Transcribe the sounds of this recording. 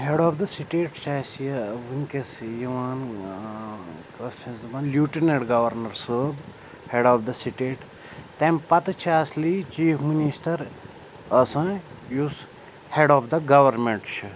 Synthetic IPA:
ɦeɖɔːpd̪ɐsiʈeːʈt͡ʃʰasjʋuŋkesjiʋaːn | kɐst͡ʃʰɐ̃zɐʋãːnljuːʈineɖɡɐʋɐɾnɐɾsəːb | heɖɔːbd̪ɐsiʈeʈ | t̪empɐt̪t͡ʃʰiɐslit͡ʃiːpʰminisʈɐɾ | ɐsãjus | heɖɔːfd̪ɐɡɐʋɐɾmeɳʈt͡ʃʰi

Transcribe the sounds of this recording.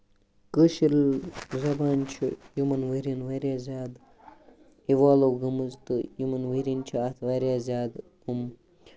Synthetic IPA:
kəʃilzɐbaːnt͡ʃʰḭjumɐnʋəɾinʋaːɾjaːzʲaːd̪ | iʋaːloɡɐmɨzt̪ɨjumɐnʋəɾint͡ʃʰiɐt̪ʰʋaːɾʲjaːzʲjaːd̪ | um

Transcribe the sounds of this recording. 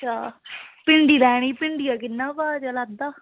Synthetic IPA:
t͡ʃʰaːpɪɳɖiːɾɛːɽ̃iːpɪɳɖijaːkɪnːãːbaːd͡ʒəlaːd̪aː

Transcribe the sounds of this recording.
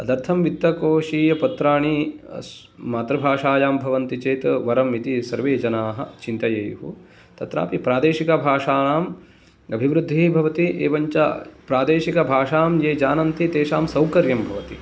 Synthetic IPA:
ɐd̪ɐɾt̪ʰɐmʋit̪ːɐkoːʃiːjɐpɐt̪ɾaːɳis | maːt̪ɾɐbʱaːʂaːjaːmbʱɐʋɐnt̪it͡ʃeːt̪ʋɐɾɐmit̪isɐɾʋeːd͡ʒɐnaːɦɐ̰̆t͡ʃint̪ɐjɐjɦu | t̪ɐt̪ɾa̰ːpipɾaːd̪eːʃikɐbʱaːʂaːnaːm | ɐbʱiʋɾud̪ʱːibʱɐʋɐt̪iʔeːʋɐɲt͡ʃa̰pɾaːd̪eːʃikɐbʱaːʂaːmjeːd͡ʒaːnɐnt̪it̪eːʃaːmsɐwkɐɾjɐmbʱɐʋɐt̪i

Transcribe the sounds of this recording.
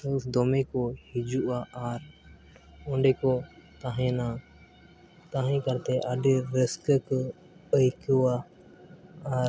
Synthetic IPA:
əsd̪ɔmɛkɔhid͡ʒuʔaʔaɾ | ɔɖɛkɔt̪aɦɛ̃na | t̪ãɦɛ̃kaɾt̪ɛʔaɖiɾəskək | əjkuwa | aɾ

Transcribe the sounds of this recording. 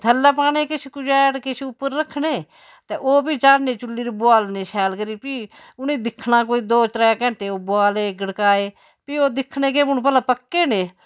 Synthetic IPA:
t̪ʰəlːaːp̬aːneːkɪt͡ʃʰkʊd͡ʒaːʈkɪt͡ʃʰʊpːəɾːəkʰneː | t̪eːʔoːpiːt͡ʃaːnneːt͡ʃʊlːiːɾbʊaːlneːʃʰɛːlkəɾiːpiː | ʊnẽːd̪ɪkʰːnaːkoːiːd̪oːt͡ʃɾaːkɛ̃ːnt̪eːoːbʊaːleːɡəɽkaːeː | piːoːd̪ɪkʰneːk̬eːʊnp̬ɛlãːpəkːeːneː

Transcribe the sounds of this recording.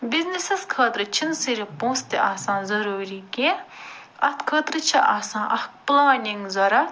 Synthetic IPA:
biznesɐskʰɐːt̪ɾɨt͡ʃʰinsiɾipõːst̪iʔaːsãːnzɐɾuːɾiːkeː | ɐt̪ʰkʰɐːt̪ɾɨt͡ʃʰiʔaːsãːʔɐk̚plaːniŋɡzɐɾɐ

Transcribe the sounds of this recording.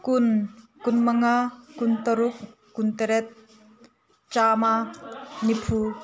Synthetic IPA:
kunkʊnmɐŋakʊnt̪ɐɾʊk̚ː | unt̪ɐɾɛt̪̚ | t͡ʃaːmanipʰuː

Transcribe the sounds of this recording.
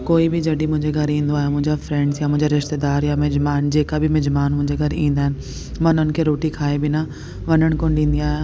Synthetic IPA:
koːibɪd͡ʑɐɗimʊ̃ɦɪ̃ɲd͡ʑeɡʱɐɾĩːn̆d̪oaːɦjamʊ̃ɦɪ̃ɲd͡ʑafɾɛ̃ːɳɖzjamʊ̃ɦɪ̃ɲd͡ʑaɾɪʃt̪ed̪aːɾjamɪd͡ʑmaːnd͡ʑeːkabɪmɪd͡ʑmaːnmʊ̃ɦɪ̃ɲd͡ʑeɡʱɐɾĩːnd̪aːɦɪnɪ̆ | mãːʊnənɪ̆kʰeːɾoːʈikʰaːebɪna | ʋɐɲəɽ̃koːnɗĩːn̆d̪iaːɦija

